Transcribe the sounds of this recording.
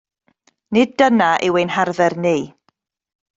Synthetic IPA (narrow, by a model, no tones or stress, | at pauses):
nɪd̚dənaʔɪwejnharðɛrniː